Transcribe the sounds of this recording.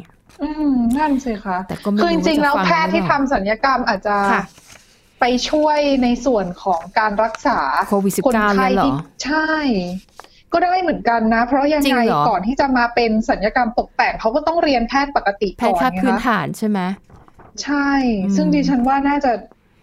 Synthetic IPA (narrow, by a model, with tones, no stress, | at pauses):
ʔɯː˧mna˥˩nsi˨˩kʰa˦˥ʔ̪ɔ˧kʰɯː˧t͡ɕi˧ŋt͡ɕi˧ŋlɛː˦˥wpʰɛː˥˩t̪ʰːiː˥˩t̪ʰa˧ms̬a˩˦njaː˧ka˧mʔaː˨˩t̪̚t͡ɕa˨˩˧ | pa˧jt͡ɕʰu˥˩əjna˧jsu˨˩ənkʰɔː˩˦ŋkaː˧nɾa˦˥k̚saː˩˦kʰo˧wi˨˩si˨˩kʰo˧˦na˥˩kʰa˧jt͡ɕʰa˥˩j | kɔː˥˩da˥˩jma˥˩jmɯ˩˦nka˧nːa˦˥pʰɾɔ˦˥ja˧ŋːa˧jkɔː˨˩nt̪ʰiː˥˩t͡ɕa˨˩maː˧pe˧nsa˨˩˦njaː˧ka˧mt̪o˨˩k̚p̪ɛː˨˩ŋkʰa˦˥wkɔː˥˩t̪ɔ˥˩ŋɾi˧ənpʰɛː˥˩t̪̚pa˨˩ka˧t̪i˨˩kʰɔː˥˩˨nːʰ˦˥˩ɯː˦˧a˥t̪ʰaː˩˦nt͡ɕʰa˥˩mɛ˦˥t͡ɕʰa˥˩jsɯ˥˩ŋdiː˧t͡ɕʰa˦˥nwaː˥˩naː˥˩t͡ɕa˨˩